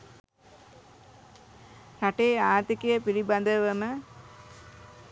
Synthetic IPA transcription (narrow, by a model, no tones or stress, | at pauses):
saʈeːaːt̪ikejəpiliband̪əʋəmə